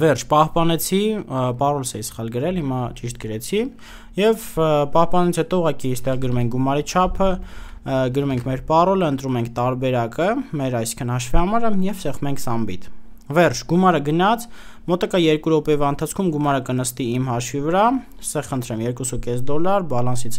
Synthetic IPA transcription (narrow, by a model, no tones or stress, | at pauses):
vɛrt͡ʃʰpɑhpɑnɛt͡sʰipɑrɔlsɛisə̥χɑlɡəɾɛlhimɑt͡ʃiʃt̪̚ɡəɾɛt͡sʰi | jɛvpɑhpɑnit͡sʰhɛt̪ɔuʁɑkist̪ɛʁɡəɾumɛŋk̚ʰɡumɑɾit͡ʃʰɑpʰə | ɡəɾumɛŋkʰmɛɾpɑrɔləənt̪ɾumɛŋkʰt̪ɑɾbɛɾɑkəmɛɾɑjsi̥ŋkʰənhɑʃvihɑmɑɾəjɛvsɛχmɛŋkʰsɑmbit̪vɛrt͡ʃʰɡumɑɾəɡənɑt͡sʰmɔt̪ɑkɑjɛɾkuɾɔpɛvɑənt̪ʰɑt͡sʰkʰumɡumɑɾəkənəst̪iimɦɑʃvivəɾɑ | st̪ɛʁχənt̪ʰɾɛmjɛɾkusukɛsd̪ɔlɑɾbɑlɑnsit͡sʰ